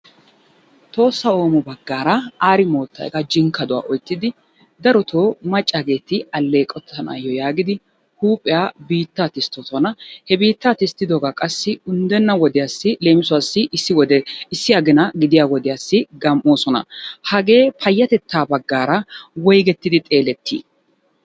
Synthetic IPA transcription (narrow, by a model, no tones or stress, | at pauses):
t̪o̞ːsːɐo̞ːmɔbɐɡːaːɾɐaːɾɪmo̞ːt̪ːɐ̰ːjɡɐd͡ʒɪŋkːɐd̪ʊwa̰ːʔɔjt̪ːɪd̪ɪ | d̪ɐɾɔt̪ʰoːmɐt͡ʃʼːaɡe̞ːt̪ɪɐlːe̞ːkʼɔt̪ːɐna̰jːɔjaːɡɪd̪ɪ | huːpʼɪjaːbiːt̪ːaːt̪ɪst̪ːɔt̪ɔnɐhɛbiːt̪ːat̪ɪst̪ːɪd̪ɔɡakʼɐsːɪʊnd̪ɛnːɐwɔd̪ɪjaːsːɪle̞ːmɪsʊaːsːɪʔɪsːɪwɔd̪ɛɪsːɪjɐɡɪnɐɡɪd̪ɪjaːwɔd̪ɪjasːɪɡɐmʔo̞ːsɔnɐ̰hɐɡe̞ːpʰɐjːɐt̪ɛt̪ʰːaːbɐɡːaːɾɐwɔjɡɛt̪ːɪd̪ɪt̪ʼe̞ːlɛt̪ʰːḭː